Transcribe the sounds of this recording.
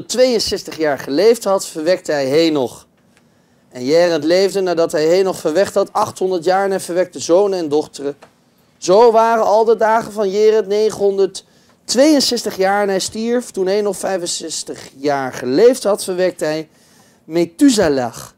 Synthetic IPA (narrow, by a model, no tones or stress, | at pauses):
tʋejənsɛstəχjaːɹχəlejftɦɑtfəɹʋɛk̚təɦɛjɦejnɔχ | ɛnjɛːrəntlejvdənaːdɑtɦɛjɦejnɔχfəɹʋɛχtɦɑtɑχtɦɔndəɹtjaːɹənɛnvəɹʋɛk̚təzownənɛndɔχtərə | zowʋaːrənɑlˠdədaːχənvɑnjɪːrətnejχəɦɔndəɹt | ʋejənsɛstəχjaːɹɛnɦɛjstiɹftunɦejnɔffɛjvənsɛstəχjaːɹχəlejftɦɑtfəɹʋɛk̚təɦɛj | metyzala̰χ